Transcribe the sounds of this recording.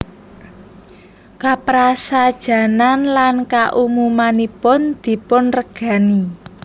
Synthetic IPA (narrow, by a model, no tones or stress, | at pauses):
kapɾasad̥ʒ̥a̤nanlankaʔumumanipʊnd̪̥i̤pʊnrəɡ̥a̤ni